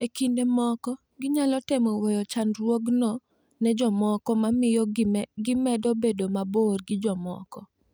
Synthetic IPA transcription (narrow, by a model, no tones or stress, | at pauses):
ekindemɔkɔ | ɡɪɲalɔtɛmɔwejɔt͡ʃanɾwoɡnɔ | nɛd͡ʒɔmɔkɔmamɪjɔɡɪmɛdɔbedomaborɡɪd͡ʒɔmɔ̰kɔ